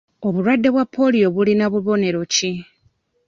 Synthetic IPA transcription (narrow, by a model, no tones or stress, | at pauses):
o̞βuɾwadːe̞βwapʰːo̞lijo̞βulinaβuβo̞ne̞ɾo̞ci